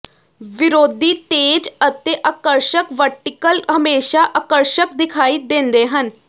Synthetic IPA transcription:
ʋiɾod̪ʱiːt̪ed͡ʑət̪ːeʔəkəɾɕəkʋəɾʈikəlɦəmeɕaʔəkəɾɕəkd̪ikʰaiːd̪end̪eɦən

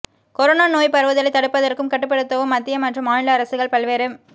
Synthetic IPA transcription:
kɔɾonaːnoːjpɐɾʋɯðɐlɐɪt̪ːɐɽɯpːɐðɐrkɯmkɐʈːɯpːɐɽɯt̪ːɐʋɯmɐt̪ːɪjɐmɐʈrɯmaːɳlɐːɾɐsɯɣɐɭpɐɭʋeːɾɯm

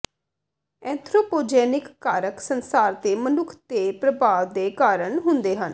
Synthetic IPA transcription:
ɛ̃ːnt̪ʰɾoːpoːd͡ʒɛːnɪkkaːɾəksənsaːɾt̪eːmənʊkʰt̪eːpɾəbaːʋd̪eːkaːɾəɳɦʊnd̪eːɦən

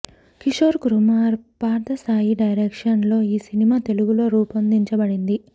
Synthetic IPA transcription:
kiʂoːɾɡɾumaːɾpaːɾd̪ɐsaːjiɖɐjɾeːkʂɐnlo̞ːiːsinimaːt̪e̞luɡulo̞ːɾuːpɐnd̪iɲt͡ʃɐbɐɽind̪i

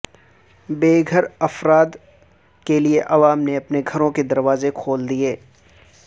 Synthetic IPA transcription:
beːɡʱəɾɐfɾaːd̪ | kelieʔɐʋaːmneɐpneɡʱɐɾõked̪ɐɾʋaːzekʰoːld̪ieː

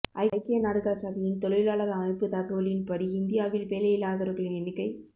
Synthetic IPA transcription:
ʔɐɪɐɪkːɪjɐnaːɽɯɣaːsɐðɐjɪnt̪ɔɭɯjlaːɭɐðɐɐmɐɪpːɯt̪ɐkːɯʋɐɭɪnpɐɽiɪnd̪ɪjaːʋɪlpeːlɐjɪlaːðɐɾɯɣɐɭɪnɪnɪkːɐɪ

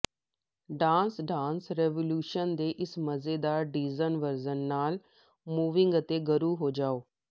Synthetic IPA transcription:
ɖãːnsɖãːnsɾɛːʋoːljuːʃənd̪eːʔɪsməzeːd̪aːɖiːzənʋəɾzənːaːl | muːʋɪ̃ŋɡət̪eːɡəɾuːɦoːd͡ʒaːoː

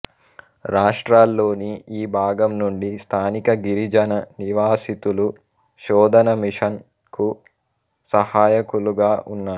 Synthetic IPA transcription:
ɾaːʂʈɾaːlːo̞ːniːbʱaːɡɐmnuɳɖist̪ʰaːnikɐɡiɾid͡ʒɐnɐniʋaːsit̪ulu | ʃɔːd̪ʱɐnɐmiʂɐn | ku | sɐhaːjɐkuluɡaːʔunːaːɾu

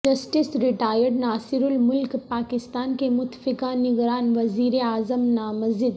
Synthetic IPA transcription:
d͡ʒɐsʈɪsɾɪʈaːjəɖnaːsɪɾʊlmʊlkpaːkɪst̪aːnkemʊt̪fɪkanɪɡɾaːnʋɐziːɾeaːzəmnaːmɐzɪd̪

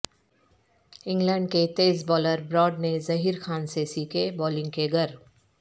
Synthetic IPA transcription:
ɪ̃ŋɡlə̃ɳɖ̚ket̪eːzbɔːləɾbɾɔːɖnezɐɦiːɾkʰaːnsesiːkʰebɔːlɪ̃ŋɡkeɡʱəɾ

